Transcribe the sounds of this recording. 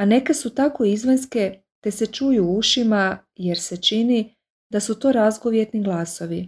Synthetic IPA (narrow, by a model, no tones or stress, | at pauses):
ane̞kesut̪ako̞izʋenske̞ | t̪e̞se̞t͡ʃujuuʃima | jeɾse̞t͡ʃini | d̪asut̪o̞ːɾazɡo̞ʋje̞t̪niɡlˠaːso̞ʋi